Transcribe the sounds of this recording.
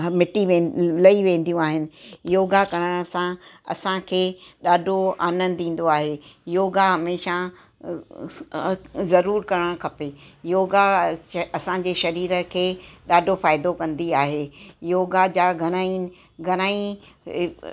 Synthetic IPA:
mɪʈiʋẽːlɐiʋẽːn̆d̪ijũaːɦɪnɪ̆joːɡakɐɾəɽ̃sãɐ̰sãkʰeːɗaːɖʱoa̰ːnə̃nd̪ĩːn̆d̪oaːɦejoːɡaɦɐmeːʃa | zɐɾuːɾkɐɾəɽ̃kʰɐpejoːɡaɐsãɲd͡ʑeːʃɐɾiːɾə̆kʰeːɗaːɖʱofaːɪd̪okɐ̃nd̪iaːɦejoːɡad͡ʑaːɡʱɐɽ̃aːinɪ̆ | ɡʱɐñaːĩ

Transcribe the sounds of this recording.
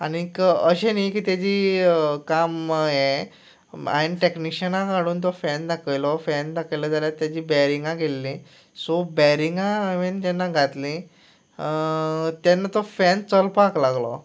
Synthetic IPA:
anikəɕenijkiːt̪jad͡ʑiːkamje | a̰niʈekniɕənãkaɽuːnt̪̬ɔfɛnd̪akʰəjlɔfɛnd̪akʰəjlad͡zaljat̪jad͡ʑiːbɛɾiŋɡãɡelːĩ | sɔbɛɾiŋɡãʋend͡ʑɛnːaɡʱat̪lĩ | t̪jɛnːat̪ɔfɛnt͡səlpaklaɡlɔ̰

